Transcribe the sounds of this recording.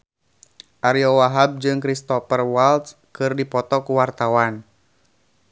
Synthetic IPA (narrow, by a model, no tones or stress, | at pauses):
ʔaɾiɔwaɦab̚d͡ʒɨŋkɾist̪ɔpərwalt̪s | kɨrdipɔt̪ɔkuwart̪awan